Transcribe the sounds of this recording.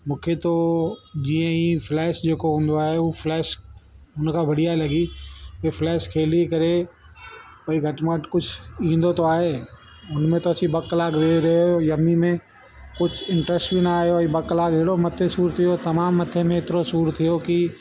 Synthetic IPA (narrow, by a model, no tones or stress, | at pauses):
mũːkʰet̪od͡ʑiːə̃iflɛːʃd͡ʑeːkoɦũːn̆d̪oaːɦeuːflɛːʃʊnkʰãːbʱɐɽ̤ijaːelɐɡioiflɛːʃkʰeːlikɐɾe | oːiɡʱɐʈməʈkʊd͡ʒʱʰĩːn̆d̪ot̪oaːɦe | ʊnmẽt̪oɐsĩbɐkːlaːɡd̪eːɾɐɦojɐmimẽ | kʊd͡ʒʱʰɪ̃ɳʈɾɛsʈbinaːɦjobɐklaːɡeɦɪɽomɐt̪ʰesuːɾt̪ʰijot̪ɐmaːmːɐt̪ʰemẽɪt̪ɪɾosuːɾt̪ʰijoki